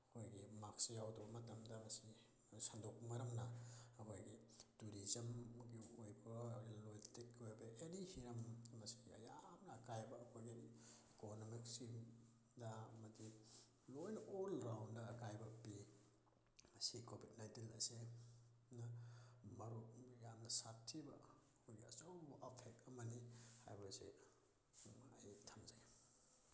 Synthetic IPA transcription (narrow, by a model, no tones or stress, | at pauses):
ɐkʰojɡimak̚sjawdɔbɐmɐtɐmdɐmɐsi | sandɔk̚mɐɾɐŋnɐɐkʰojɡituɾizɐmɡiojbɐlojltikojbɐʔenihiɾɐmmɐsi̥ɐ̰jamnɐːkʰajbɐːkʰojɡiikonomiksim | dɐɐmɐdi | lojlolɾawndɐːkajbɐpi | mɐsikʰobʱid̚najntinɐse | nɐmɐɾujamnɐsatʰːibɐ | kojɡiɐ̰zɐwbʔɐpʰek̚ɐmɐniha̰jbɐsḛ | ajtʰamzaj